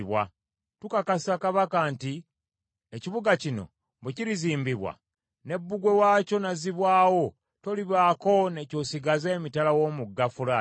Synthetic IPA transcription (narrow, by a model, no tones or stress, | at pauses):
βwa̰ | tukakasakaβakanti | eciβuɡacino̞̰ | mbeciɾiziːmbiβwa̰ | ne̞bːuɡwe̞waːco̞naziβwaːwo̞ | toliβaːko̞ne̞co̞ːsiɡazeːmitalawo̞ːmuɡːafula